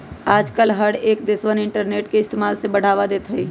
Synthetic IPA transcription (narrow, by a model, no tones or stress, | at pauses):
aːd͡ʒkəlɦəɽeːk̚d̪ɪswənɪ̃ɳʈəɾneːʈkeɪst̪eːmaːlsebɐɽ̤aːʋad̪eːt̪ɦəiː